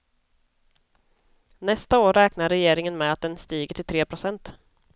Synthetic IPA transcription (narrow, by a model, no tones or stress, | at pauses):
nɛst̪aoːɾɛːknaɾɛjeːɾɪŋənmɛat̪̚d̪ɛnst̪iːɡəʈʰɪlt̪ʰɾeːpʰɾʊsɛnt̪